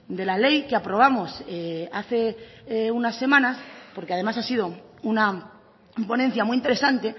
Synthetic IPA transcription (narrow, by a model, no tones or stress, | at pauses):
d̪e̞lale̞jkeapɾo̞β̞amo̞seaθe̞ | unasːe̞mãnaspo̞ɾkeað̞e̞masasið̞o̞una | po̞nen̟θjamuijint̪e̞ɾe̞sant̪e̞